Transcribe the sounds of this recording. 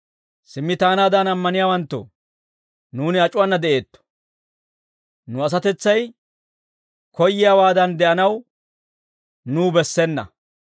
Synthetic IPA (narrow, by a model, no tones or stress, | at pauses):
sɪmːɪt̪aːnaːd̪ɐnɐmːɐnɪjaːwɐnt̪ːɔ̰ | nuːnɪɐt͡ʃʼʊwɐnːɐd̪ɛʔe̞ːt̪ːɔ̥ | nʊɐs̬ɐt̪ɛt͡sːɐj | kɔjːɪjaːwaːd̪ɐnd̪ɛʔɐnɐw | nuːbɛsːɛnːɐ̰